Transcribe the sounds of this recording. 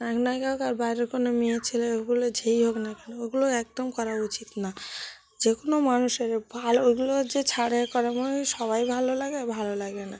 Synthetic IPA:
aknajkaɦokaɾbajɾeɾkonomiet͡ɕʰileoɡulod͡ʑʱejɦoknakanooɡuloɛk̚d̪omkɔɾaɾut͡ɕit̪na | d͡ʑekonomanuʃeɾbʱaloeɡulod͡ʑet͡ɕʰaɽekɔɾemoneʃɔβajbʱalolaɡebʱalolaɡbena

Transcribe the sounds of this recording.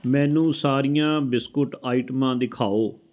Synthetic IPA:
mɛ̃ːnũːsaːɾijãːbɪskʊʈaːiːʈəmãːd̪ɪkʰaːoː

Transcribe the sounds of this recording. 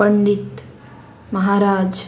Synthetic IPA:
əɳɖ̪it̪ | məɦaɾaːd͡ʒ

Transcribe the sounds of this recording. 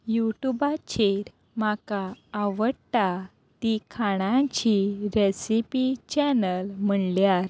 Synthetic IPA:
juʈubat͡ɕeɾ | makaːʋəɽt̪a | t̪ikʰaɽ̃ãt͡ɕiɾesipit͡ɕɛnəlm̤əɳljaɾ

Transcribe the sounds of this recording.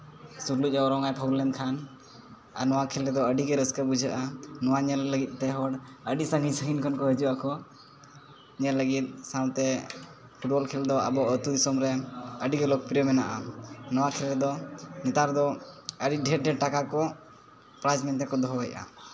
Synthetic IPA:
suɾluc̚ˀaɔɾɔŋajpʰɔwlɛnd̪kʰan | a̰nɔwakʰɛlɾɛd̪ɔəɖiɡɛɾəskəbud͡ʒʱəʔanɔwaɲɛlːəɡit̪̚ˀt̪ɛɦɔɖəɖisaŋɡisəŋinkʰankɔɦəd͡ʒuʔakɔ | ɲɛləɡit̪̚saw̃t̪ɛ | pʰuʈ̚bɔlkʰɛld̪ɔa̰bɔʔət̪ud̪isɔmɾɛəɖiɡɛlɔk̚pɾiɔmɛna̰ʔa̰nɔwakʰɛlɾɛd̪ɔnɛt̪aɾd̪ɔəɖiɖʱɛɖɛʈakakɔ | pɾad͡ʒmɛnt̪ɛkɔd̪ɔɦɔəjʔa̰

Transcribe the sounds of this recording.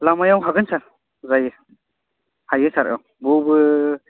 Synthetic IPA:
lamajawɦaɡɯnsaɾ | zajɯ | hajɯsaɾɯ̰w | bobɯ

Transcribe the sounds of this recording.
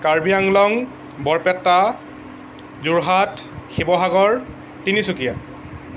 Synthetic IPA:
kaɹbijaŋlɔŋ | bɔɹpɛtːa | zuɹɦat | xibɔɦaɡɔɹ | tinisukija

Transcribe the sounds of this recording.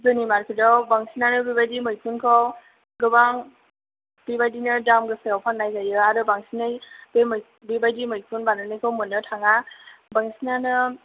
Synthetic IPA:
zɔnimaɾkʰɯdɔbaŋsinanɯbibajdimɯjkʰunkʰɔw | ɡɯbaŋ | b̥ibajdinɯdamɡɯsajawpʰaŋnːajzajɯadɔbaŋsinɯjbem | bibajdimɯjkʰunbanɯnɯjkʰɔwmunːɯtʰaŋabaŋsinanɯ

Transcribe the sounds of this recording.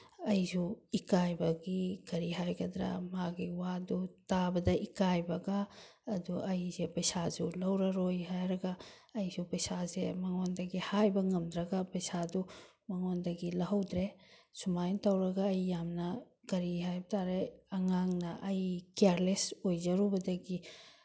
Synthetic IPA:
ɐjzuikajbɐɡikɐɾiɦajɡɐd̪ɾa̰maɡiwadutabɐdɐʔikajbɐɡaːduʔɐjzepɐjsazulɐwɾɐɾojɦajɾɐɡaːjsupɐjsazemɐŋondɐɡihajbɐŋɐmdɾɐɡapɐjsadu | mɐŋondɐɡilɐɦɐwdɾesumajntɐwɾɐɡaːjːamnɐ | kɐɾiɦajbɐtʰaɾeɐŋaŋnɐʔɐjkaɾlesojzɐɾubɐdɐɡi

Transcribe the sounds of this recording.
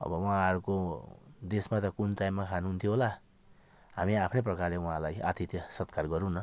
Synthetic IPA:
ʌ̰bʌwʌãʌɾukod̪esmat̪ʌkuntajmːakʰanuɦunt̪ʰjoɦola | ɦamiapʰneprʌkarleuɦãlaja̰t̪ʰit̪jʌsʌt̪̚karɡʌɾũnʌ

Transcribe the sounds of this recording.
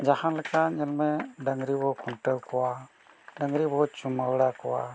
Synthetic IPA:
d͡ʒahanlɛkaɲɛlmɛɖəŋɾibɔkʰuɳʈəwkɔwa | ɖəŋɾibɔt͡ʃumawɽakɔwa̰

